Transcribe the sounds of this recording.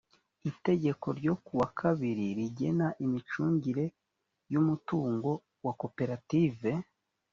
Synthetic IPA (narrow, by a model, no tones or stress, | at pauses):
ite̞ɟe̞ko̞ɾɟo̞kuwakʰaβiɾiɾiɟe̞naʔimit͡ʃuːɲɟiɾe̞ | jumutuːŋɡo̞ | wako̞pe̞ɾative̞